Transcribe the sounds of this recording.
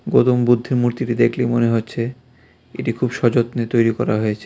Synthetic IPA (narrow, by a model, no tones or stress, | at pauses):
ɡot̪ombud̪ʱːiɾmuɾt̪iʈid̪ekʰlimoneɦotːɕʰe | eʈikʰubʃɔd͡ʑot̪net̪ojɾikɔɾaɦojet͡ɕʰe